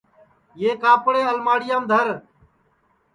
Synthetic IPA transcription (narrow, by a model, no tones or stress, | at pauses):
jeːkaːpɽeːəlmaːɽɪjãːmd̪ʱəɾ